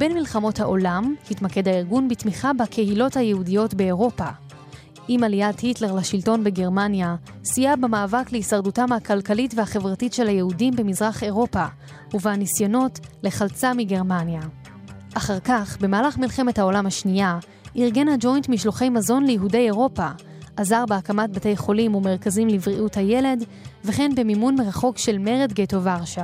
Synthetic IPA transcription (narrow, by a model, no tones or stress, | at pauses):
b̥e̞nmilχamo̞thaʔo̞lamhitmake̞dhaiʁɡunbitmiχabakʰehilo̞thajehudijo̞tbe̞ːʁo̞pa | ʔimalijathitle̞ʁlaʃilto̞nbeɡe̞ʁmanja | sijabemaːvakleisaʁdutamakalkalitvehaχe̞vʁatitʃe̞lhajehudimbe̞mizʁaχe̞ʁo̞pa | uvehanisjono̞tle̞χalt͡samiɡe̞ʁmanja | ʔaχaʁkaχbe̞maːlaχmilχe̞methao̞lamhaʃnia | ʔiʁɡe̞nad͡ʒo̞jntmiʃloχe̞jmazo̞nlejeɦude̞je̞ʁo̞pa | ʔazaʁbeakamat̚bate̞jχo̞limume̞ʁkazimlivʁiʔuthaje̞le̞d | veχe̞nbe̞mimunmeʁaχo̞kʃe̞lme̞ʁedɡetovaʁʃa